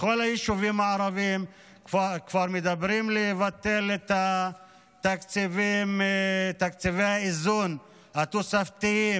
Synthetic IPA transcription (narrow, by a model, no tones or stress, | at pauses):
xolajiʃuvimaʕaɾavim | kakvaɾmed̪abɾimlevat̪elet̪a | t̪akt͡sivimt̪akt͡sivejaizun | hat̪osaft̪iji